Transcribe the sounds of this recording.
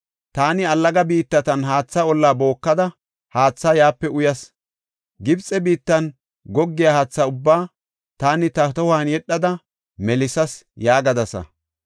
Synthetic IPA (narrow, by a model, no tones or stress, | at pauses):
t̪aːnɪɐlːɐɡɐbiːt̪ːɐt̪ɐnɦaːt͡sːɐɔlːaːbo̞ːkːɐd̪ɐ | haːt͡sːɐjaːpːɛʊjɐs | ɡɪbt͡sʼːɛbiːt̪ːɐn | ɡɔɡːɪjahaːt͡sːɐʊbːaː | t̪aːnɪt̪ɐt̪ɔhaːnjɛɗːɐd̪ɐ | mɛlɪsɐsjaːɡɐd̪ɐsɐ̰